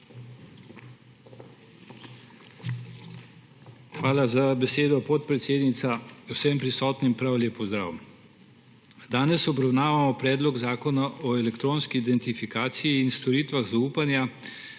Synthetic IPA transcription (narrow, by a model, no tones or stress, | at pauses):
xʋaːlazabɛseːd̪ɔpɔt̪̚pɾɛt̪seːd̪nit̪sausɛmpɾisɔːt̪nimpɾawleːpɔzd̪ɾa̰ːw | d̪aːnɛsɔbɾawnaːʋamɔpɾɛːd̪lɔɡzaːkɔnaʔɔɛlɛkt̪ɾoːnskiːd̪ɛnt̪ifikaːt̪sijiːnst̪ɔɾiːt̪ʋaɣzauːpanja